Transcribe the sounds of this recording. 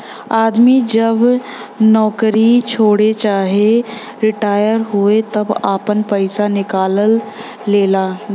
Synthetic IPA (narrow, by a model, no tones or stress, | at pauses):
aːd̪mid͡ʒɐb | nɔːkɾit͡ʃʰoːɽet͡ʃaːɦe | ɾɪʈaːjəɾɦuet̪ɐbaːpənpəɪsanɪkaːləlː | eːlaː